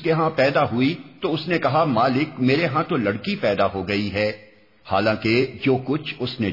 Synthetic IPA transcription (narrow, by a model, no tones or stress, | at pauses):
keɦãpɛːd̪aɦʊit̪oʊsnekɐɦamaːlɪkmeːɾeɦãt̪olɐɽkipɛːd̪aɦoɡɐiɦɛː | ha̰ːlãːked͡ʒoːkʊt͡ʃʰʊsne